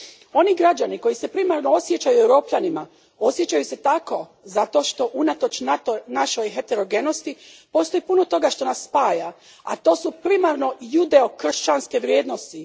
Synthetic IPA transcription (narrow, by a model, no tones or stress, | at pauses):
o̞niɡɾad͡ʑaniko̞jise̞pɾimaɾno̞osjet͡ɕajuewɾo̞ːpʎʲanima | o̞sje̞t͡ɕajuse̞t̪ako̞ | zat̪o̞ʃt̪o̞ʔunat̪o̞t͡ʃnat̪onaʃo̞jɦe̞t̪e̞ɾo̞ɡe̞no̞st̪ipo̞ːst̪o̞jipuno̞t̪o̞ɡaʃt̪o̞nasːpaːja | a̰t̪o̞ːsupɾimaɾno̞jud̪e̞o̞kr̩ʃt͡ɕanske̞ʋɾjeːd̪no̞st̪i